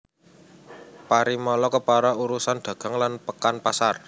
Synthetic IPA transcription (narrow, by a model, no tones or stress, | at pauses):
paɾimɔlɔkəpaɾauɾusand̪̥ä̤ɡ̥a̤ŋlanpəkanpasar